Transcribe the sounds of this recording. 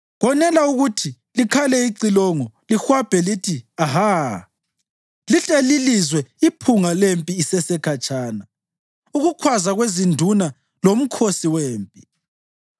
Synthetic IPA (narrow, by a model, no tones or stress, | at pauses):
ɣɔnɛlauɣutʰi | likʰalɛiǀilɔŋɔlixwab̥ʱɛlitʰiaɦa | liɬelilizwɛipʰuŋalempʼiːsɛsɛkʰat͡ʃʼaːna | uɣukʰwazaɣwezindʱuna | lom̩kʰosiweːmpʼi